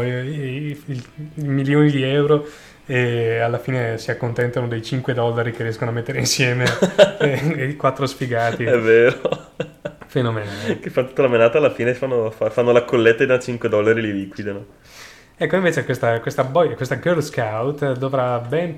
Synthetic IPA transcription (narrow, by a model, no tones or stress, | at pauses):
j | iilmiljoːnid̪iɛwɾo | ealːafiːnesiakːont̪ɛnt̪anod̪ejt͡ʃiŋkwed̪ɔlːaɾikeriɛskonoamet̪ːeɾeinsjɛːme | kwat̪ːɾosfiɡaːt̪iɛvːeːɾo | fenomekefant̪u̥t̪ːalamenaːt̪alːafiːnefanːofafanːolakːolːet̪ːad̪at͡ʃiŋkwed̪ɔlːaɾililiːkwid̪ano | ɛkːoĩɱveːt͡ʃekwest̪akwest̪abɔjkwest̪aɡølskawt̪d̪ovɾabɛn